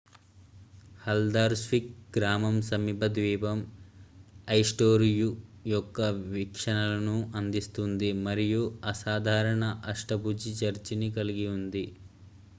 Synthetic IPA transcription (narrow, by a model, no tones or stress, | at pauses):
hɐld̪aːɾsʋik̚ɡɾaːmɐmsɐmibɐd̪ʋiːbɐm | ɐjsʈoːɾijujɔkːɐʋikʂɐɳɐlɐnuʔɐnd̪ist̪und̪imɐɾijuɐsaːd̪ʱaːɾɐɳɐʔɐʂʈɐpud͡ʒit͡ʃɐɾt͡ʃinikɐliɡiund̪i